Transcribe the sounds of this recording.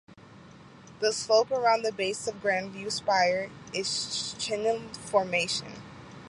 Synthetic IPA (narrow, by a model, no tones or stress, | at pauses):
ðəsloʊpə˞ãʊ̃nðɨbeɪsʌvɡɹæ̃nvjʉspaɪə˞ɪz̥t͡ʃʰɪ̃nɨ̃nfəɹmeɪʃɨ̰̃n